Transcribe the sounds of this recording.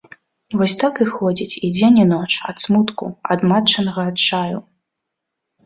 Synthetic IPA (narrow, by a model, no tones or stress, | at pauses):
vɔsʲt̪akɨxɔd͡zʲit͡sʲid͡zʲenʲinɔt͡ʂɐ̰t̪smut̪kṵɐ̰d̪mat͡ʂɐnɐɣɐːt̪t͡ʂaju